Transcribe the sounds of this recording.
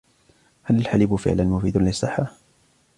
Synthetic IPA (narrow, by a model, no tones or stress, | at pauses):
halalħalɪbʊfɪ̰ʕlanmʊfiːd̪anlɪsˤːɨħːa